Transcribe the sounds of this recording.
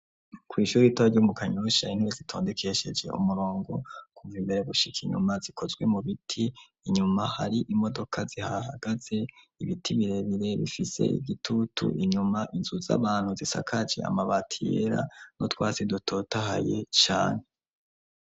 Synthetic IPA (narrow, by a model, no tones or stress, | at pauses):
kwiːʃuːɾitoaɟumukaɲuʃain̥huɾezitʰo̞ːndekʰe̞ʃe̞̰d͡ʒe̞̰ṵmuɾo̞ːŋɡo̞kuvimbe̞ɾe̞ɡuʃikʰiɲṵmazikʰo̞zɡwe̞muβitʰiː | ɲumahaɾiʔimo̞do̞kʰazihaɦa̰ɡaze̞ | iβitʰiβiɾe̞βiɾe̞βḭfise̞̰ḭɡitʰutʰṵʔiɲumaʔinzuza̰βaːn̥huzisa̰kʰad͡ʒḛa̰maβatʰḭeɾa̰no̞twaːsidutʰo̞taha̰je̞̰t͡ʃa̰ːne̞